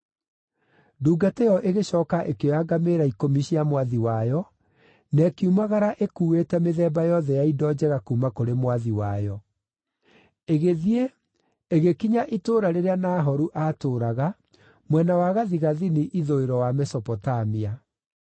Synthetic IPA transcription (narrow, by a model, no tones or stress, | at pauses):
duːɡatejɔʔeɣeɕɔːkaʔekejaɡameːɾaikomiɕiamwaðiwajɔ | nɛkiumaɣaɾaʔekuːwetɛmeðɛbajɔðɛjaidɔːd͡ʑɛɣakuːmakoɾemwaðiwajɔ | eɣeðie | eɣekiɲaʔitoːɾaɾeɾeanaːɦɔɾuʔaːtoːɾaɣa | mwɛnawaːɣaðiɣaðiniʔiðoeɾɔwamɛsɔpɔtamia